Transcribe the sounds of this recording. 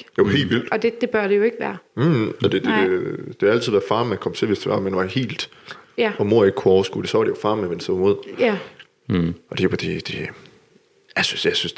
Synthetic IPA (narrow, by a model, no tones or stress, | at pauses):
d̥ehe̝̰ːlʋil̰d̥ɒd̥ed̥e̝b̥ɶɐɾ̥e̝joe̝ɡ̥ʋæ̰ːɐɒ̽d̥e̝d̥e̥ed̥e̝hæl̰t͡sʰið̰ˠʋæɐfɑ̈ːmænkʰɒ̽m̰t͡sʰe̝ʋe̝sd̥e̝ʋɑ̈menʋɑ̈he̝̰ːld̥ | ɒ̽mo̝ɐ̰e̝ɡ̥kʰuɒʊɐsɡ̥ṵːd̥esɒʋɑ̈ɾ̥ejofɑ̈ːmeʋend̥sd̥ɔimo̝ð̰ˠæ | ʔɒ̽d̥e̝jod̥ed̥e̝ | jasynsjɑ̈ɪsyns